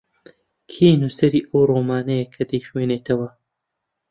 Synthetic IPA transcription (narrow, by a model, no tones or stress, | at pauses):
kʰeːnuːsɐɾiːʔɐwroːmaːnɐjɐkʰɐd̪ɐjxweːneːt̪ʰɐwɐ